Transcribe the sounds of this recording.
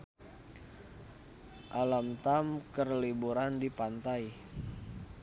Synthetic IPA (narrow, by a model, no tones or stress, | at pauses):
ʔalamt̪amkərlibuɾandipant̪aj